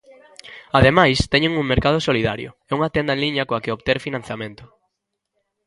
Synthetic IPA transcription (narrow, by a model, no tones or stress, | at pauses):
aðemajst̪ɛɲeŋuŋmeɾkaðʊsoliða̰ɾjo̰ | ɛuŋat̪ɛnd̪aɐẽnliɲɐkoakeoβt̪eɾfinãn̟θjamẽnt̪ʊ̥